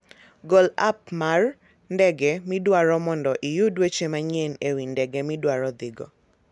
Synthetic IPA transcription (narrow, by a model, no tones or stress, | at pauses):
ɡɔla̰p̚mar | ndɛɡɛmɪdwaɾɔmɔndɔʔɪjʊdwet͡ʃemaɲenewindɛɡɛmɪdwaɾɔd̪ɪɡɔ̰